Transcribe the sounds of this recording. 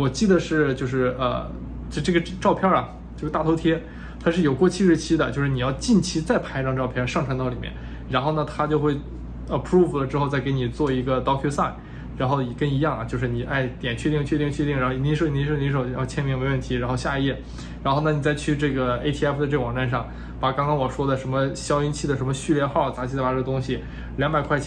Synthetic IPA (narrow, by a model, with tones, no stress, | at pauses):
wɔ˨˩t͡ɕi˥˩d̪ə˩ʂɻ̩˥˩t͡ɕjo˥˧ʊʂɻ̩˥˩ə̰˧ | t͡ɕo˥˧ʈ͡ʂɤ˥˩ɡə˩ʈ͡ʂɑ˥˧ʊpʰjɑ˥˧ɹɐ˩ | t͡ɕjo˥˧˩t̪a˥˩t̪ʰʊt̪ʰjɛ˥ | t̪ʰa˥ʂɻ̩˥˩jo˨˩ʊkwɔ˥˧t͡ɕʰi˥ʂɻ̩˧˥t͡ɕʰi˥d̪ə̰˨t͡ɕjo˥˧ʊʂɻ̩˥˩ni˨˩jɑ˥˧ʊt͡ɕi˥˩nt͡ɕʰi˥t͡sa˥˩ɪpʰa˧˥ɪʈ͡ʂɑ˥˧ŋʈ͡ʂɑ˥˧ʊpʰjɑ˥˧ʂɑ˥˩ŋʈ͡ʂʰwnt̪ɑ˥˩ʊli˨˩mjɛ̰˥˩n | ɻa˧˥nxo˥˩nə˩t̪ʰa˥t͡ɕjo˥˧ʊxwe˥˩ɪ | ə˩pʰɹu˥˩flə˩ʈ͡ʂɻ̩˥xo˥˧ʊt͡sa˥˩ɪke˧˥ɪni˨˩t͡swɔ˥˩i˧˥ɡə˧t̪ɑ˥ʊkʰɛ˥sa˥˩ɪ | ɻa˧˥nxo˥˩ʊjɛ˨˩kə˥˧ŋi˧˥jɑ˥˩ŋɐ̰˩t͡ɕjo˥˧ʊʂɻ̩˥˩ni˨˩ʔa˥˩ɪt̪jɛ˨˩nt͡ɕʰɥɛ˥˧i˥˩ŋt͡ɕʰɥ̪̬i˥˧ŋt͡ɕʰɛ˥˧i˥˩ŋɻxʂo˥˩˧i˥ʂi˥ʂo˨˧˩ʊ˧˥jɑ˥˧˩t͡ɕʰjɛ˥nmɛ˥˩ŋwe˧˥ɪwə˥˩nt̪ʰi˧˥ɻa˧˥nxo˥˧ʊɕja˥˧jɛ˥˩ | ɻa˧˥nxo˥˩ʊnə˨˩ni˨˩t͡sa˥˧ɪt͡ɕʰy˥˧ʈ͡ʂɤ˥˩ɡə˩e˥t̪ʰi˥ɛ˥˩fd̪ə˩ʈ͡ʂɤ˥˩ɡə˩wɑ˨˩ŋʈ͡ʂa˥˧nʂɑ˥˩ŋ | pa˨˩kɑ˥ŋkɑ˥ŋwɔ˨˩ʂwɔ˥d̪ə˨˩ʂə˧˥nmə˧ɕjɑ˥ʊi˥nt͡ɕʰi˥˩d̪ə˩ʂə˧˥nmə˧ɕy˥˧ljɛ˥˧nxɑ˥˩ʊt͡sa˧˥t͡ɕʰi˧˥˧a˨˧ʈ͡ʂə˥˩ɡə˧t̪ʊ˥ŋɕi˨˩ | ljɑ˧˥ŋmba˨˩ɪkʰwa˥˩t͡ɕ